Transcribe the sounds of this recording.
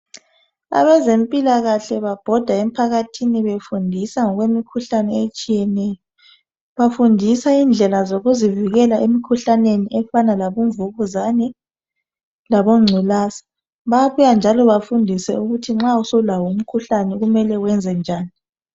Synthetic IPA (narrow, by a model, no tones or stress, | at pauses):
a̰βɛzempʼilaɣaɬɛβab̥ʱɔd̥ʱaem̩pʰaɣatʰiniβefundʱisaŋɔɣwemikʰuɬanɛet͡ʃʼijɛnɛjɔ | βafundʱisaind͡ɮʱɛlazoɣuziviɣɛlaʔemikʰuɬaneniʔɛfanalaβuɱvuɣuzanɛ | laβoŋ͡ǀʱilaːsḁ | βaβujand͡ʒʱalɔβafundʱisɛ̰uɣutʰiŋ͡ǁausoulawum̩kʰuɬanɛɣumɛlɛwɛnd͡zʱɛnd͡ʒʱaːni